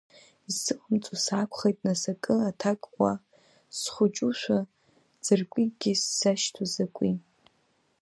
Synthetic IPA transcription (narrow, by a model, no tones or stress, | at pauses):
zɨqʼəmt͡sʼusakʷχejtʼnasakʼɨatʰakʼqʷʼa | sχʷʊt͡ʃʼuʃʷᶣa | d͡zɨrkʷʼiɡ̥ʲisːaʃtʰuzakʷʼi